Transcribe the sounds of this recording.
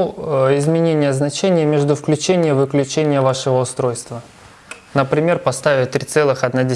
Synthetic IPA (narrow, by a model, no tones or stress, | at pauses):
ɪzmʲɪnʲenʲɪjəznɐt͡ɕenʲɪjəmʲeʐd̪ʊfklʲʉt͡ɕenʲɪjəvɨklʲʉt͡ɕenʲɪjəvaʂɨvəʊst̪ɾojst̪və | nəpɾʲɪmʲerpɐst̪avʲɪt̪ːɾʲit̪sɛlˠɨxɐd̪nadʲɪ